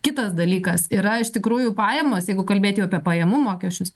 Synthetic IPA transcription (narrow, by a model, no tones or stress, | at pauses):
kʲɪt̪ɐsd̪ɐlʲiːkɐsiːɾɐɪʃt̪ʲɪkɾuːjʊpɑːjɛmoːsjɛɪɡʊkɐlʲbʲeːt̪ʲjɛʊɐpʲiɛpɐjɛmʊmoːkʲɛsʲt͡ʃʲʊs